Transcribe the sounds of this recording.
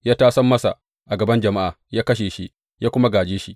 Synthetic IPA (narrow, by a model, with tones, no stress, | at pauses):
jaː˦taː˦sɐ˦mːɐ˦sa̰˨ʔ | ʔa˨ɡɐ˨bɐ˦nd͡ʒɐ˨ma˦ʔa̰˨jaː˦kɐ˦ʃ̬eː˨ʃi˦ | jaː˦kʷʊ˦ma˦ɡaː˨d͡ʒeː˦ʃi˦ʔ